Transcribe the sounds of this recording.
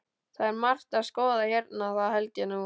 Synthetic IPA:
θaðɛɾmar̥t̪aðskɔːðajɛɾt̪naðaɦɛlcanɪ

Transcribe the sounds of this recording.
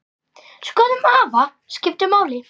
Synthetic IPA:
skɔːðʏmaːva | scɪf̚t̪ɪmaːwlɪ

